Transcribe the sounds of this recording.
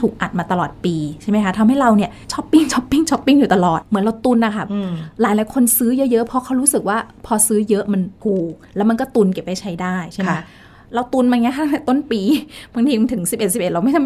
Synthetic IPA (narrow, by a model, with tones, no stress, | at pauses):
t̪ʰuː˨˩k̚ʔa̰˨˩t̪̚maː˧t̪a˧lɔː˨˩t̪̚piː˧t͡ɕʰa˥˩ma˦jkʰa˦˥t̪ʰa˧mɦa˥˩jɾa˧wni˥˩ɐt͡ɕʰɔ˦˥pːi˥˩ŋt͡ɕʰɔ˦˥pːi˥˩ŋt͡ɕʰɔ˦˥pːi˥ŋjuː˨˩t̪a˧lɔː˨˩t̪̚mɯ˨˩˦nɾa˧wt̪u˧nʔa˨˩kʰa˦˥˩p̚laː˨˩˦jlaː˨˩˦jkʰo˧nsɯː˦˥jɤ˦˥jɤ˦˥ʔpʰɔ˦˥kʰa˦˥wɾuː˦˥sɯ˨˩k̚waː˥˩pʰɔː˧sɯː˦˥jɤ˦˥ʔma˧nkʰuː˨˩k̚lɛː˦˥wma˧nkɔː˥˩t̪u˧nke˨˩p̚ha˥˩t͡ɕʰa˦˥jdaː˥˩jt͡ɕʰa˥˩˨a˥ | ɾa˧wt̪u˧nmaː˧ŋi˦˥kʰa˥˩˥t̪o˥˩npiː˧ba˧ŋt̪ʰiː˧˩˧nt̪ʰɯ˩˦ŋsi˨˩p̚e˨˩t̪̚si˨˩pʔe˨˩t̪̚ɾa˧ma˥˩jt̪ʰ